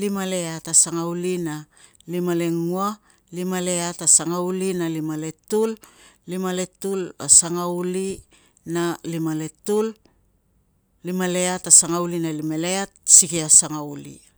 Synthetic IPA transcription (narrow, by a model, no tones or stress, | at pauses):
limale̞atasaŋaulina | limale̞ŋua | limale̞atasaŋaulinalimale̞tullimale̞tula̰saŋauli | nalimale̞tul | limale̞atasaŋaulinalimaleat̚sikiasaŋaulḭ